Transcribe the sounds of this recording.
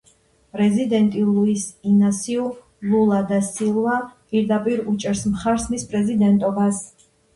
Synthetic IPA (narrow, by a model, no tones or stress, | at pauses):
pʼɾɛzid̪ɛnt̪ʼilˠuisinasiu | lˠulˠad̪asilˠwapʼiɾd̪apʼiɾut͡ʃʼɛɾsmχaɾsmispʼɾɛzid̪ɛnt̪ʼɔbas